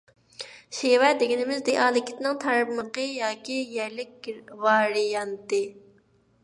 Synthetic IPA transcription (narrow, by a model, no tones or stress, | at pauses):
ʃewɛd̪eɡʲinɪmɪzd̪eʔɑːlˠɪkʲi̥t̪nɪŋt̪ʰɑɾpməqəjɑːkʲijɛɾlɪk̚ʲvɑːɾijɑnt̪ɨ